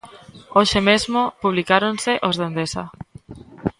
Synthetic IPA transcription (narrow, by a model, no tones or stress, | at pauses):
oʃemezmopuβ̞likaɾonsɪʔozðend̪esɐ̰